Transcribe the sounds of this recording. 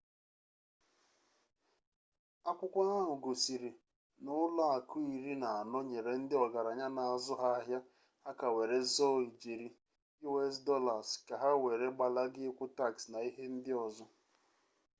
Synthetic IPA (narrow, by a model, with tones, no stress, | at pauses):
a˦kʷʊ˦kʷa˦a˦ɦʊ˨ɡo˨si˨ɾi˨ | nʊ˦la˦a˨kʰʊ˦i˨ɾi˦na˨a˨nɔ˦ɲe˨ɾe˨n̩˦dɪ˦ɔ˨ɡa˨ɾa˨ɲa˦na˨a˨zʊ˦ɦa˦a˦ɦja˦ | a˦ka˨we˨ɾe˨zɔ˦˨i˨d͡ʒe˨ɾi˨ | i˦we˦sdɔ˦la˨ska˨ɦa˦we˨ɾe˦ɡ͡ba˨la˦ɡɪ˦kʷʊ˦ta˦˨ksna˨i˦ɦe˦n̩˦dɪ˦ɔ˨zɔ˦